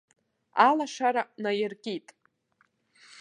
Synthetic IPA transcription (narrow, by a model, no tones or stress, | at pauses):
alaʂaɾanajɪrkʲʼitʼ